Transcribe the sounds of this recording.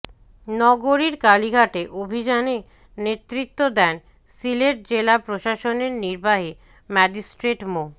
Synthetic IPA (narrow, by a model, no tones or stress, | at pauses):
nɔɡoɾiɾkaliɡʱaʈeʔobʱid͡ʑane | net̪ːɾit̪ːod̪ɛn | sileʈ̚d͡ʑelapɾoʃaʃoneɾniɾbaɦi | mɛd͡ʑisʈɾeʈmo